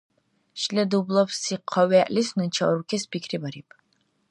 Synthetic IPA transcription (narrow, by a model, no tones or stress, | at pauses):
ʃlɛd̪ublˠɔpsiqʰɔwɛʔlisnut͡ʃʰaɾukʰɛspʰikʰɾibaɾip